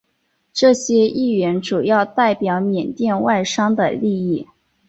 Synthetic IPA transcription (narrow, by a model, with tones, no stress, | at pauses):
ʈ͡ʂɤ˥˩ɕjɛ˥i˥˩ɥɛ˧˥nʈ͡ʂu˨˩jɑ˥˧ʊt̪a˥˩ɪpjɑ˧˥ʊmjɛ˨˩nt̪jɛ˥˧nwa˥˩ɪʂɑ˥ŋd̪ə̰˨li˥˧i˥˩